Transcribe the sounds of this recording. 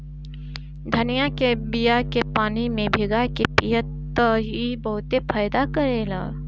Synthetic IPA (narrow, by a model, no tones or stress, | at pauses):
d̪ʱɐnijakebijakepaːnimẽbʱɪɡakepijət̪ː | ɦibɐɦʊt̪epʰaːjd̪akɐɾeːla̰ː